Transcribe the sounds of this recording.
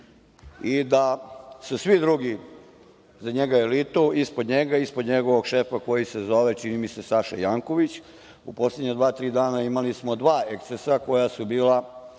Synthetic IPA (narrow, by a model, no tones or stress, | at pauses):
id̪asusʋid̪ɾuɡi | zaɲe̞ɡaelit̪uispod̪ɲe̞ɡaispod̪ɲeɡo̞ʋoɡʃe̞fako̞jise̞zo̞ʋe̞t͡ʃinimise̞saʃa̰jaŋko̞ʋit͡ɕ | upo̞sleɲad̪ʋaːt̪ɾiːd̪aːnaimalismod̪ʋaːekt̪esako̞jasubiːla